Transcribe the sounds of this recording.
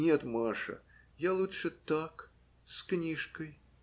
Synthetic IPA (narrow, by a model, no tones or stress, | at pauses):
nʲet̪maʂɐ̰ | jalˠutʂɨt̪ak | sknʲiʂkəj